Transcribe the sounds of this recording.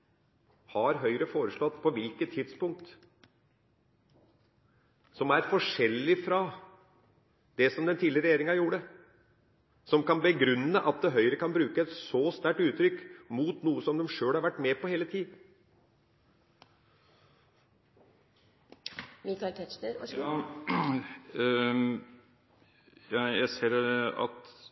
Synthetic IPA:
hɑɾɦœʏɾəfoːɾəʂlɔd̪pʰɔʋɪlkət̪ʰːɪd̪spʊŋk̚t̪ | sɔmæɾfɔʂɛlːɪfɾɑ | d̪̥ɛsɔmd̪ɛnt̪ʰiːlɪɾɛjeːɾɪŋɑjuːɖə | sɔmkɑnbəɡɾʉnːəʔɑt̪̚d̪ɛɦœʏɾəkʰɑnbɾʉːkəɛt̪sɔst̪æʈʉːt̪ɾʏkːmuːt̪nuːəsɔmd̪ɛmʂøːlhɑɾʋæʈːmɛpɔheːlət̪ʰiːd̪ | mɪkɑɪlt̪ʰɛʃnəɾ | jæjæɪseːɾɑ̰t̪

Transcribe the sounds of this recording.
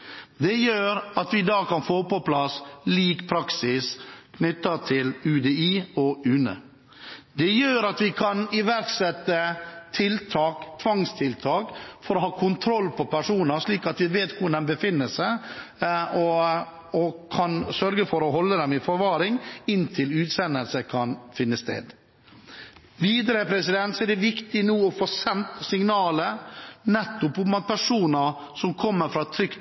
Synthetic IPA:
d̪ɛjøːɾɑt̪ʋɪd̪ɑːkʰɑnfoːpɔpʰlɑsliːkpʰɾɑksɪskʰnʏt̪ːɑt̪ʰɪlʉːd̪eːiːɔʉnə̰ | d̪ɛjøːɾɑt̪ʋɪkʰɑnɪʋæɾksɛt̪ːət̪ʰɪlt̪ʰɑːkt̪ʰʋɑŋst̪ʰɪlt̪ʰɑːkfɔɾɔhɑːkʰʊnt̪ʰɾɔlːpʰɔpʰæʂuːnəɾʂɭiːkɑt̪ʋɪʋeːt̪kʰʊd̪ɛmbəfɪnːəsæ | ɔ | ɔkʰɑnsœɾɡəfɔɾɔɦɔlːəd̪ɛmɪfɔɾʋɑːɾɪŋɪnt̪ʰɪlʉːt̪sɛnəlsəkʰɑnfɪnːəst̪ḛːd̪ | ʋiːd̪əɾəpʰɾɛsɪd̪ɛnt̪sɔɛd̪ɛʋɪkt̪ɪnuːɔfoːsɛnt̪sɪŋnɑːlənɛt̪ːʊpʊmɑt̪̚pʰæʂuːnəɾ | sɔmkʰɔmːəɾfɾɑːt̪ʰɾʏkt̪

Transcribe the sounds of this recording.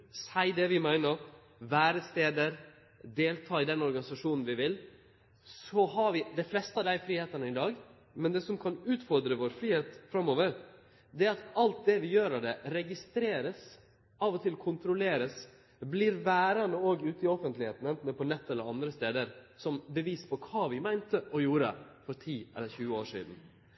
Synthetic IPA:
sæɪd̪ɛʋɪmæɪnəɾ | ʋæːɾəst̪eːd̪əɾ | d̪eːlt̪ʰɑːɪd̪ɛnɔɾɡɑnɪsɑʂuːnn̩ʋɪʋɪl | sɔɦɑɾʋɪd̪æɪflɛst̪əɑd̪æɪfɾiːheːt̪ənəɪd̪ɑːɡ | mɛnd̪ɛsɔmkʰɑnʉːt̪fɔɾd̪ɾəʋoːɾfɾiːheːt̪fɾɑmːoːʋəɾ | d̪ɛɾɑt̪ɑlt̪̚d̪ɛʋɪjøːɾɑd̪ɛɾɛɡɪst̪ɾeːɾəs | ɑʋɔt̪ʰɪlkʰʊnt̪ɾʊleːɾəs | blɪɾʋæːɾɑnəoːɡʉːt̪ɪɔfənt̪lɪheːt̪n̩ɛnt̪n̩ɛpʰɔnɛt̪ːɛlːəɾɑnd̪ɾəst̪eːd̪əɾsɔmbəʋiːspʰɔkʰɑːʋɪmæɪnt̪əʔɔjuːɾə̰fɔɾt̪ʰiːɛ̰lːəɾçʉːəoːʂḭːd̪n̩

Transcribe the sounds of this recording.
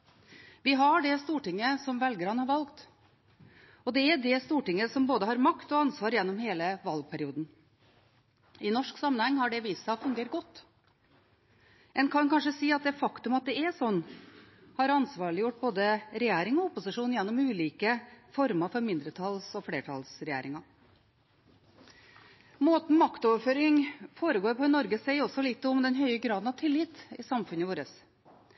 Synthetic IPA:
ʋɪɦɑɖɛst̪uːʈɪŋːəsɔmʋɛlɡəɾɑnhɑɾʋɑlkt̪ | ɔd̪ɛæɖɛst̪uːʈɪŋːəsɔmboːd̪əɦɑɾmɑkt̪ɔɑnsʋɑːɾjɛnːɔmheːləʋɑlɡ̚pʰæɾɪuːd̪n̩ | ʔɪnɔʂksɑmːənhɛŋːhɑɖɛʋiːst̪ɑfʉŋɡeːɾʈ̚ɡɔt̪ː | ʔɛnkʰɑnkʰɑnʂəsiːɑt̪̚d̪ɛfɑkt̪ʉmɑt̪̚d̪ɛɛsɔnː | hɑɾɑnsʋɑːɭɪjʊʈ̚ːboːd̪əɾɛjæːɾɪŋɔʊpʊsɪʂuːnjɛnːʊmʉːliːkəfɔɾmɑfɔɾmɪnd̪ɾət̪ʰɑlsɔfleːʈʰɑ̰lsɾɛjæ̰ːɾɪŋɑ | moːt̪n̩mɑkt̪ɔːʋɾføːɾɪŋfoːɾəɡoːɾpʰɔɪnɔɾɡəsɛɪɔsːɔlɪt̪ːʊmd̪ɛnɦœʏəɡɾɑːd̪n̩ɑʋt̪ʰɪlːɪt̪ɪsɑmfʉnəʋoːɾəs

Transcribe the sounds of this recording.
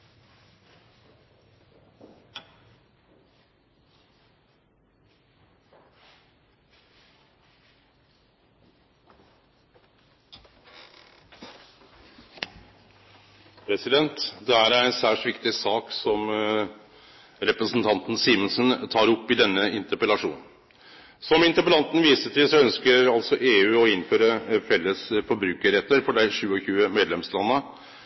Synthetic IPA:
pʰɾɛsɪd̪ɛnt̪d̪ɛæːɾæɾɛnsæːʂʈʋɪkt̪ɪsɑːksɔm | ɾɛpɾəsn̩t̪ʰɑnt̪n̩siːmənsənt̪ʰɑːɾɔpːɪd̪ɛnːəɪnt̪əpəlɑʂṵːn̩ | sɔmɪnt̪əɾpəlɑnt̪n̩ʋiːsəʈʰɪlsɔœnskəɾɑlsɔʔeːʉːɔɪnføːɾəfɛlːəsfɔbɾʉːkəɾɛt̪ːəɾfɔɖæɪʂʉːɔçʉːəmeːd̪lɛmslɑnːə

